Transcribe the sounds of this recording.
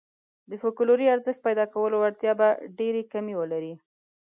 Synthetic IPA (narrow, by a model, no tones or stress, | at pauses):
d̪əfokʊloɾiaɾzəxt̪̚pajd̪ɑkawəloaɾt̪jɑbaɖeɾekamewəlaɾi